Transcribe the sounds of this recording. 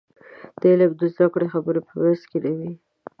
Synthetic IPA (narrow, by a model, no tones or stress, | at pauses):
d̪̥əlabd̪əzd̪akɽexabəɾepəwɾaskelawi